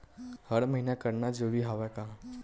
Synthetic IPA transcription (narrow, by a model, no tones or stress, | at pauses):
hɐɾmɐɦinakəɾnad͡ʒoːbʱiɦaːʋɛkaɦã